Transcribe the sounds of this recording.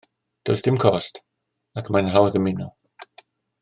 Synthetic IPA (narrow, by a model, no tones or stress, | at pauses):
d̥owsd̥ɪmkʰɔst | akʰmanɦawəðəmɪnɔ